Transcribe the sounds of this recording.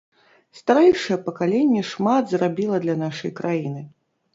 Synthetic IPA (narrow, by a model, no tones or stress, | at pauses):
st̪aɾɛjʂɐjɛpɐkalʲenʲːɛʂmad̪zrabʲilˠɐd̪lʲɐnaʂɐjkɾajinɨ